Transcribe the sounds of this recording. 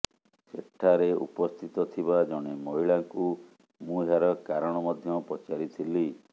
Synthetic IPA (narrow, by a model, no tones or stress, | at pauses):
seʈʰːaɾeṵpɔst̪ʰit̪ɔt̪ʰiβad͡ʒɔɽ̃emɔɦiɭaŋku | mũɦaɾɔkaɾɔɽ̃ɔmɔd̪ʱjɔpɔt͡ʃaɾit̪ʰili